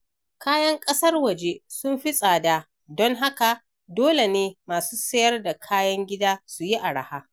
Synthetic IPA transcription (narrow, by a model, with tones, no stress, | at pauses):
kaː˦jɐ˦ŋkʼɐ˦sɐ˦rwɐ˨d͡ʒe˦sʊ˦mɸi˦sʼaː˨daː˦ | dɔ˦ŋɦa˦ka˨ | doː˦le˨neː˦maː˨suː˦sɐ˦jɐ˦rda˨kʰaː˦jɐ˦ŋɡʲɪ˦daː˦su˨ji˦ʔa˨ɽa̰˨haː˦